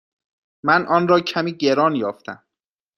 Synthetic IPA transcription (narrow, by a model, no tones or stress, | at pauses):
mænʔɒːnɾɒːcʰæmiːɟeɾɒːnjɒːft̪æ̰m